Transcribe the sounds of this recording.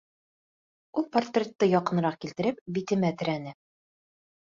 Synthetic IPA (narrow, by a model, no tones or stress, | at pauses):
ulˠport̪rʲet̪ːɤjɒqɤ̆nɤ̆ɾɑq̚kilt̪ɘ̆ɾɘp̚bit̪ɘ̆mæt̪ɘ̆ɾænɘ